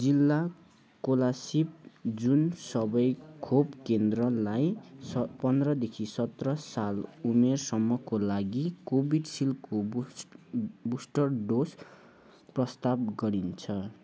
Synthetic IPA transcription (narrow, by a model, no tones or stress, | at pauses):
d͡zilːa | kolasip̚d͡zunsʌbʌjkʰobkend̪rʌlajpʌnd̪rʌd̪ekʰisʌt̪rʌsalumersʌmːʌkolaɡikobʱiɖsilko | busʈʌrɖos | prʌst̪ab̚ɡʌɾint͡sʰʌ